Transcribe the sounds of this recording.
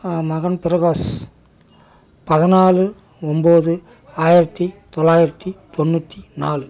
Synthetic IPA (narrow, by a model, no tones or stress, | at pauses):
mɐɣɐnpɪɾɐɣoːs | pɐðɪnaːlɯ | ɔmboːðɯ | aːjɪɾɐt̪ːit̪ɔlːaːjɪɾɐt̪ːit̪ɔnːut̪ːinaːlɯ